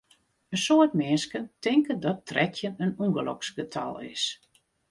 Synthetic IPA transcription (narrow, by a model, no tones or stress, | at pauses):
ənsoətmɪnskəntɪŋkəndɔtrɛtʰjənənuŋɡəlɔ̰ksɡətʰɔ̰lˠɪ̰s